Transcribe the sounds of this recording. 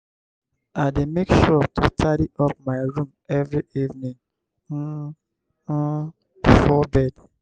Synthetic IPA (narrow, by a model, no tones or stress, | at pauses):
aɪdemekʃɔtʰustʰaɾiɔp̚maɪɹũmɛvɹiʔivnĩŋ̩ | fɔbɛd